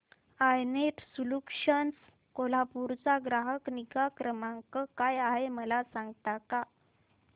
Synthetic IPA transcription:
ajnet̪sulukʂəns | kolapuɾt͡saɡɾaɦəkniɡakɾəmaŋkəkajaɦeməlasãŋɡt̪aka

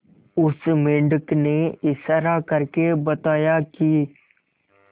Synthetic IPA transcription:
ʊsmɪ̃ɳɖəkneɪsɾakəɾkebɐt̪aːjakiː

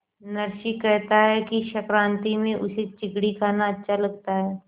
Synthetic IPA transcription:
nɐɾʃikːɛɦt̪aɦɛkiʃɐkɾãːnt̪imẽʔʊset͡ʃɪkɽikaːnaɐtːʃʰalɐɡ̚t̪aɦɛː

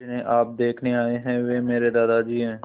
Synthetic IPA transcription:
ɪnẽʔaːp̚d̪eːkʰneaːeɦɛ̃ːʋeːmeːɾed̪aːd̪aːd͡ʒiːɦɛ̃ː

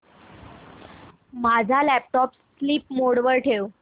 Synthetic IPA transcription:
mad͡zʱalæp̚ʈɔpsːliːpmoɽʋəɾʈʰew

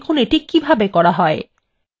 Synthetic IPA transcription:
kʰoneʈikibʱabekɔɽaɦɔe

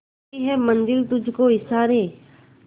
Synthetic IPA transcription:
iɦɛmə̃nd͡ʒɪlt̪ʊd͡ʒʱkoɪsaːɾẽː

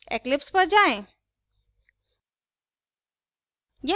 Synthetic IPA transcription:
ḛklipspəɾd͡ʑaẽ | ja

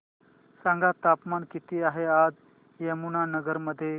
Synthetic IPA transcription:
sãŋɡat̪apmankit̪iːaɦead͡z | jemunanəɡəɾməd̪ʱːje

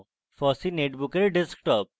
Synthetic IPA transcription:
fɔsineʈbukɐɾeɖɪsk̚ʈɔp̚

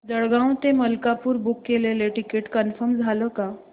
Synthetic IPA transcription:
d͡zəɽɡãw̃t̪eməlkapuːɾbukːeleleʈikeʈkənfəɾmd͡zʱaləka

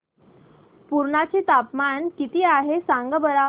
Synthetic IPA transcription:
puɾɳat͡set̪apmankit̪iːaɦesaŋɡəbəɾa

